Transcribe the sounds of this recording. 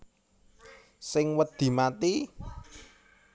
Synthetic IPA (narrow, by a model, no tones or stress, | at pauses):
sɪŋwəd̪̥i̤mat̪i